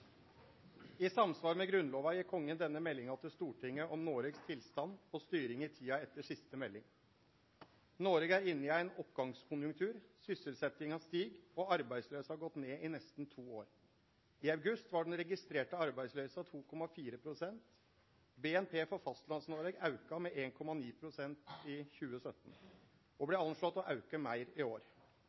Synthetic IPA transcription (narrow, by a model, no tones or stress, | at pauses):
ɪsɑmsʋɑːɾmɛɡɾʉnloːʋɑjɪkʰɔŋːənd̪ɛnːəmɛlːɪŋɑt̪ʰɪlst̪uːʈʰɪŋːəʔɔmnoːɾeɡst̪ʰɪlst̪ɑnɔst̪yːɾɪŋɪt̪ʰiːɑɛt̪ːəʂɪst̪əmɛlːɪŋ | noːɾeːɡæɾɪnːɪæɪnɔpɡɑŋskʰʊnjʉŋkt̪ʰʉːɾsʏsəlsɛt̪ɪŋhɑst̪iːɡɔɑɾbæɪsløːsəhɑɾɡɔt̪ːneːʔɪnɛst̪n̩t̪ʰuːoːɾ | ɪɑʉɡʉst̪ʋɑɖɛnɾɛɡɪst̪ɾeːʈəɑɾbæɪsløːsɑt̪ʰuːkʰɔmɑfiːɾəpʰɾʊsɛnt̪ | beːɛnpʰeːfɔɾfɑst̪lɑnsnoːɾeɡɑʉkɑmɛʔeːnkʰɔmɑniːpʰɾʊsɛnt̪ɪçʉːəsœt̪ːn̩ | ɔblɛɑnʂlɔt̪ːɔʔɑʉkəmæɪɾɪoːɾ